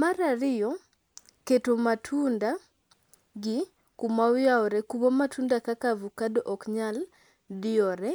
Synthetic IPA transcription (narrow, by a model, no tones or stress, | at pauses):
maɾaɾɪjɔ | ketomatʰunda | ɡɪ | kumawjaɔɾɛkuβɔmatʰundakakavukadɔʔɔkɲal | dɪɔɾɛ